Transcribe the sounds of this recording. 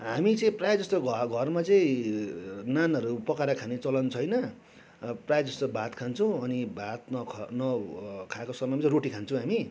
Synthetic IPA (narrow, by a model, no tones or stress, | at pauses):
ɦamit͡sʌĩprajad͡zʌst̪oɡʱʌrmat͡sʌĩ | nanʌɾupʌkaɾakʰanet͡sʌlʌnt͡sʰʌjnʌ | prajad͡zʌst̪obʱat̪kʰant͡sʰʌ̃w̃ʌnibʱat̪̚nʌkʰnʌkʰakosʌmʌjmit͡sʌ̃ɾoʈikʰant͡sʰʌ̃ɦami